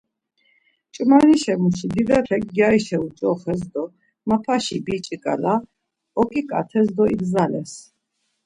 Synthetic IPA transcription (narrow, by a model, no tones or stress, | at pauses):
t͡ʃʼmaniʃɛmusid̪id̪ɛɾʰɛkʼɡjaiʃɛut͡ʃʼɔχɛs̬d̪ɔ | mapʰaʃibit͡ʃʼikʼa̰la | ɔkʼikʼa̰t̪ʰɛsd̪ɔiɡzalɛs